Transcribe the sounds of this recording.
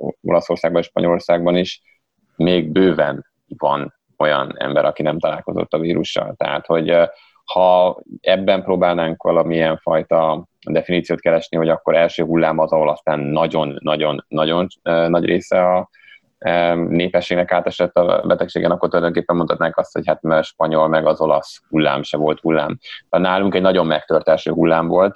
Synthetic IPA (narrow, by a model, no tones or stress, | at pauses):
o̞̰lɒso̞rsaːɡbɒneʃpɒ̰ɲolo̞rsaːɡ̚bɒniʃ | meːɡ̚bøːvɛn | vɒ̰n | o̞jɒ̰nɛ̰mbɛɾʔɒkinɛmt̪ɒlaːlko̞̰zo̰t̪ːɒviːɾuʃːɒ̰lt̪ɛ̰ɦa̰ːt̪ho̞ɟ | hɒɛbːɛmpɾoːbaːlnaːŋkʋɒlɒmiiɛɱfɒjt̪ɒ | d̪ɛfiniːt̪sijoːt̪̚kɛɾɛʃniho̞ɟɒkːo̞ɾɛlʃøːɦulːaːmɒzɒɦo̞lɒst̪aːnːɒɟo̞nːɒɟo̞nːɒɟo̞nnɒɟreːsɛɒ | neːpɛʃːeːɡnɛkaːt̪ɛʃɛt̪ːɒ̰bɛt̪ɛkʃeːɡɛnɒkːort̪ulɒjd̪o̞ŋkeːpːɛmot̪ʰɒt̪naːŋkɒst̪ho̞̰chat̪mɛʃpɒɲo̞lmɛɡɒzo̞lɒshulːa̰ːmʃɛvo̞lt̪hulːa̰ːmt̪naːluŋkɛɟnɒɟo̞mːɛk̚t̪ørt̪ɛlʃø̰ːɦulːaːmvo̞lt̪